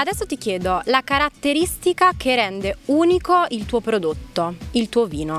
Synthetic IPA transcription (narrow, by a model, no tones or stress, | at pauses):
ad̪ɛsːot̪ikjeːd̪olakaɾat̪ːeɾist̪ikakʰerɛnd̪euːnikoilt̪uːopɾod̪ot̪ːoilt̪uːoviːno